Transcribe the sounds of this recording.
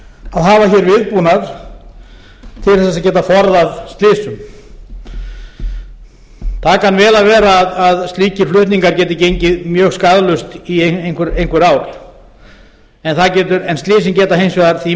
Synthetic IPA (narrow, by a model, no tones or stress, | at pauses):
aðɦaːvaçɛːɾvɪðpunaɾ | t̪ʰɪlθɛs̬aðcɛːt̪afɔɾðaðst̪lɪːsʏm | t̪ʰakanvɛːlavɛːɾaːðːðst̪liːcɪɾ̥flʏht̪niŋkaɾcɛːt̪ɪcejɲcɪðmjœːɣskaðlʏst̪ieejnkʰʏɾejnkvɪɾaːwɾ | ɛnθacɛːt̪ʏɾɛnst̪lɪːs̬ɪmcɛːt̪aɦejmsvɛðaɾθi